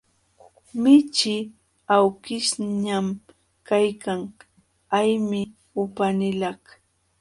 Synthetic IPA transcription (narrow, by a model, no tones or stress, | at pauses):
mɪt͡ʃɪ | awkɪʃɲam | kajkaŋ | ajmɪ | ʊpanɪlah